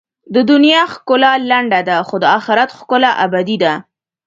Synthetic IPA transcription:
d̪əd̪ʊnjɑxkʊlalaɳɖad̪axod̪əɑxɪɾat̪xkʊlaʔabad̪id̪a

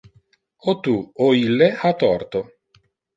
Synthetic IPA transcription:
ot̪uoilːeat̪ɔrt̪o

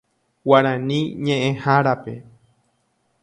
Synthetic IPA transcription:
waɾ̃ãnĩɲẽʔẽhaɾape̞̰

